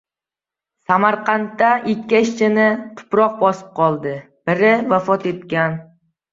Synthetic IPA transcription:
samaɾqʰɑnt̪ːaʔɪkʲːaɪʃt͡ʃʰɪnɪt̪ʰʊ̥pɾɒq̚bɒsɪ̥p̚qʰɒlˠd̪ɪ | b̥ɪɾɪvafɒt̪e̞t̪kʲan

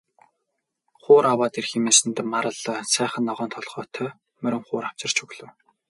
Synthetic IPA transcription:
χʊːɾʔawaːt̪irximeːsɘ̆nt̪maɾə̆ɮsæːχə̆nːɔʁœːnt̪ʰɔɮχœːt̪ʰœ | mɵɾʲɪ̆ŋχʊːɾaw̥t͡ɕɪ̆r̥t͡ɕʰɵɣɮɵ̆w

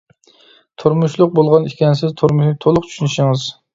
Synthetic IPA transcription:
t̪ʰuɾmuʃlˠʊq̚bolˠʁɑnikʲɛnsɪzt̪ʰuɾmuʃnɪt̪ʰolˠʊq̚t͡ʃʰy̥ʃynɪʃɪŋɨz

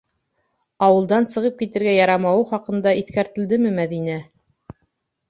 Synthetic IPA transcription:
ɑwɤ̆lˠd̪ɑnsɤ̆ʁɤp̚kit̪ɘ̆ɾɡæjɑɾɑmɑwɤχɑqɤ̆nd̪ɑiθkæɾt̪ɘ̆ld̪ɘmɘmæðinæ

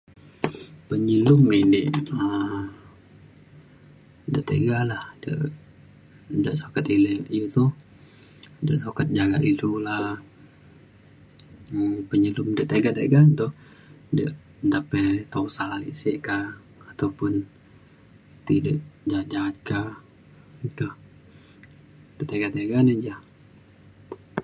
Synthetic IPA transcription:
pəɲəlumidiʔə | dəʔt̪ə̰ɡalahdə̰ʔ | dəʔsokat̪iləkjut̪u | dəʔsokat̪̚d͡ʒaɡaʔit̪ula | pəɲəlumdəʔt̪eɡat̪ḛɡant̪ʊ | dəʔ | ənt̪apɛt̪ousalḭʔsiʔkaː | t̪awpʊn | t̪idəʔd͡ʒat̪̚d͡ʒaat̪̚kah | kah | d̥əʔt̪eɡat̪eɡanəd͡ʒa

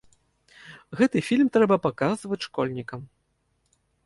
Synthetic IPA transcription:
ɣɛt̪ɨfʲilʲmt̪ɾɛbɐpakazvɐt͡sʲʂkɔlʲnʲikɐm

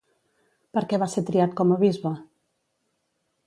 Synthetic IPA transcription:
pəɾkɛβaseɾt̪ɾiat̪̚kɔməβizβə

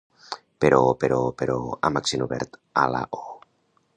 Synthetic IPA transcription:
peɾʔopeɾopeɾoamaksenuβɛɾt̪ala̰ʔo

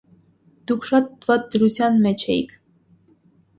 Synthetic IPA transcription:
d̪̥ukʰʃɑt̪̚vɑt̪̚d̪əɾut͡sʰjɑnmɛt͡ʃʰɛjḭkʰ

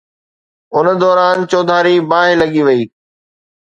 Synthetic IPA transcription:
ʊn̆d̪ɔːɾaːnt͡ɕoːd̪ʱaːɾibaːɦɪlɐɠiʋɐiː

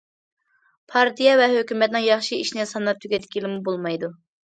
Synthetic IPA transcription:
pʰɑɾt̪ʰijɑvɛɦøkʲymɛt̪nɨŋjɑχʃiiʃnɪsɑnɑp̚t̪ʰyɡʲɛt̪ɪ̥kʲilɪmubolˠmɑjd̪u

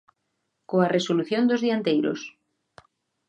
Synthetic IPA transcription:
koaresoluθjond̪ozðiant̪ejɾo̰s

